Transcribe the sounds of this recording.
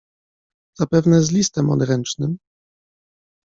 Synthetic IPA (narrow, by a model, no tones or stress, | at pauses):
z̥apɛvnɛzlʲist̪ɛmɔ̰d̪ɾɛnt͡ʂnɘm